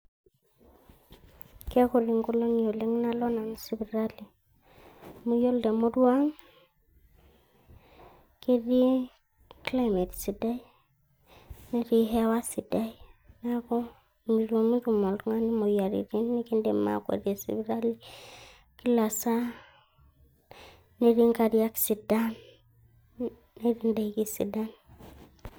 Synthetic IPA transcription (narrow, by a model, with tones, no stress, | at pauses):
ke˦ko˨ɾi˨ŋko˦lo˦njo˨li˦ŋ˦na˦lo˦na˨n˨si˦bi˨ɾa˦li˨ | mu˨jo˦lde˨mo˦du˦wa˦ŋ | ke˦di˦ | kla˦jme˨tsi˨da˦i˦ | ni˦ɾi˦ɦe˦wa˦si˨da˦i˦na˦ko˦ | mi˨ɾo˨mu˦ɾu˨mo˨ltŋa˦ni˦mo˨ja˨ɾḭ˨ɾi˦nːi˦ki˦nde˨ma̰˨kʷḛ˨ɾe˨sḭ˨bɾa˦li˦ | ki˦la˨sa˦ | ne˦ɾi˦ŋka˨ɾi˦a˦ksi˨da˦n | ne˦ɾi˦nda˨iki˦sḭ˨da˦n